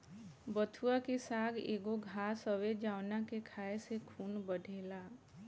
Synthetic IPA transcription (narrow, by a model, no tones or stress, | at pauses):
bət̪ʰuakesaɡḛɡoɡʱasəʋed͡ʒaʊnakekʰaesekʰuːnbəɖʱeːla